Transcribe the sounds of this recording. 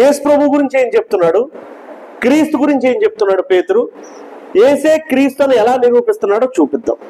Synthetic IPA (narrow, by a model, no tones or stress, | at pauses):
jeːsu̥pɾɐbʱuːɡuɾiɲt͡ʃeːnit͡ʃebu̥t̪unːaːɽu | kɾiːst̪uɡuɾiɲt͡ʃeːnit͡ʃe̞but̪unːaːɽupe̞ːt̪uɾu | eːse̞ːkɾiːst̪oniɛlaːniɾuːpist̪unːaːɽo̞ːt͡ʃuːpid̪ːa̰m